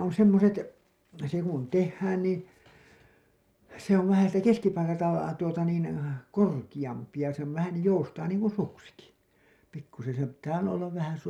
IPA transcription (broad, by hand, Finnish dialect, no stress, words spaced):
on semːoset se kun tehːæːn niː se oʋ ʋæhæ siːtæ keskipɑlkɑltɑ tuotɑ niːn korkij̆ɑmpi jɑ se on ʋæhæn joustɑː niːŋ kun suksiki pikːusen̞ sem pitːæː olːɑ olːɑʋ ʋæhæn̞